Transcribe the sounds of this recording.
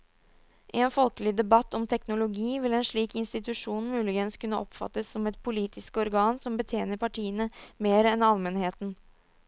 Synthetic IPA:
ʔɪɛːnfɔlkəlɪd̪ɛbɑt̪ːɔmt̪ʰɛknʊlʊɡiːʋɪlɛːnʂɭiːkɪnst̪ɪt̪ʉʂuːnmʉːlɪɡənskʉnːəʔɔpfɑ̰t̪ːəsːɔmɛt̪pʰʊliːt̪ʰɪskəɔɾɡɑːnsɔmbət̪ʰjeːnəɾpɑʈʰiːənəmeːɾəɛnɑlmɛnheːt̪n̩

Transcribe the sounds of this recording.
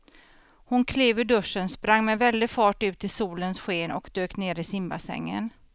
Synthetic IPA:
hʊnkʰleːvɵɖɵʂənspɾaŋːmɛvɛld̪ɪfɑːʈʉ̟ːt̪ʰːɪlsuːlənsɧeːnɔ̰kd̪øːkneːɾɪsɪmbasɛ̰ŋːə̰n

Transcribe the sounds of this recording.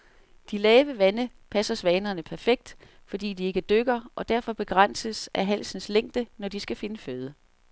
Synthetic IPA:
d̥ilɛːʋəʋænə | pʰæsɐsʋɛːnɐnəpʰæɐfeɡ̥̚d̥ | fɒ̽d̥ḭːdie̝ɡ̥əd̥øɡ̥ɐʔɒ̽d̥æɐ̰fɒ̽b̥e̝ɡ̥ʁɑn̰səsʔæɦæl̰sn̩sleŋ̰d̥ənɒd̥isɡ̥æfe̝nəføð̞ˠə

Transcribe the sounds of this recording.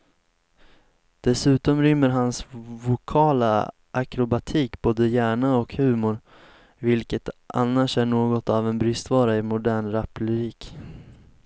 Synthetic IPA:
d̪̥ɛsʉ̟ːt̪ɔmɾʏmːəɾɦansvʊkʰɑːla | ʔakɾʊbat̪ʰiːkboːd̪əjæːɳaɔkhʉ̟ːmʊɾ | vɪlkət̪a̰nːaʂæɳoːɡɔt̪avɛnbɾʏst̪vɑːɾaɪmʊd̪æːɳɾapləɾiːk

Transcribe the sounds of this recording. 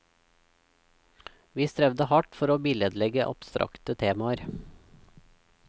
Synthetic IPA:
ʋiːst̪ɾɛʋd̪əhɑʈfɔɾoːbɪlɛd̪lɛɡəʔɑ̰b̥st̪ɾʔɑ̰kt̪ət̪ʰeːmɑəɾ

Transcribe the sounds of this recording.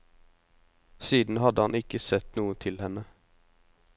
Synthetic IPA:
siːd̪n̩hɑd̪əhɑnɪkəsɛt̪nuːət̪ʰɪlhɛnːə

